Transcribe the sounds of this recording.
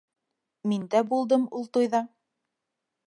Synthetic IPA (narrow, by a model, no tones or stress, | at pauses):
mind̪æbulˠd̪ɤmulˠt̪ujðɑɴ